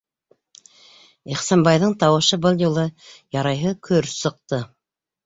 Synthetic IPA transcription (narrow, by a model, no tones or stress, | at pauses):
iχsɑnbɑjðɤɴt̪ɑwɤ̆ʃɤbɤlˠjulˠɤjɑɾɑjɦɤkʰɵɾsɤ̆q̚t̪ɤ